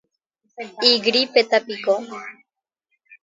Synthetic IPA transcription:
iɡɾipet̪apiko

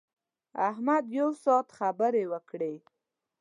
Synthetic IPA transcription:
ahmad̪jawsɑt̪xabəɾewəkɽe

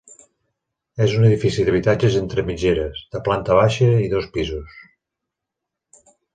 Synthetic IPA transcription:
ɛzunəðifisiðəβ̞it̪ad͡ʒəzent̪ɾəmid͡ʒeɾəzðəplant̪əβ̞aʃəiðɔspizus

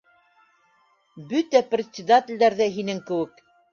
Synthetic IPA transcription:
bɵt̪æprʲɪt̪sʲɪd̪at̪ʲɪ̆lʲd̪æɾðæɦinɘŋkɘ̆wɘk̚

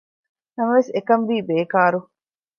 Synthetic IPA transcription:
nɐmɐʋesekɐnʋiːbeːkaːɾu

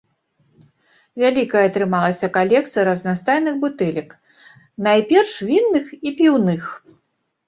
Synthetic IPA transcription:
vʲalʲikɐjɛɐt̪ɾɨmalˠɐsʲɐkalʲɛkt̪sɨjɐɾɐznast̪ajnɨxbut̪ɛlʲɐk | najpʲɛrʂvʲinːɨxipʲiwnɨx

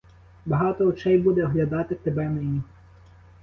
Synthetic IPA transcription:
bɐɦɑt̪ɔɔt͡ʃɛjbud̪ɛɔɦlʲɐd̪ɑt̪ɪt̪ebɛmɛnʲi

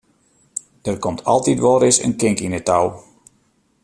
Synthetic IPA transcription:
d̥ərkɔmtʰɑ̰lˠtitʋɔɾɪsə̰nkɪŋkinətaw

